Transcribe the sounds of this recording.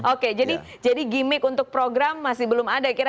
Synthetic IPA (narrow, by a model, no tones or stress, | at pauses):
ʔoked͡ʒadi | d͡ʒadiɡimɪkunt̪ʊk̚pɾoɡɾamːasɪhbəlʊmadakiɾa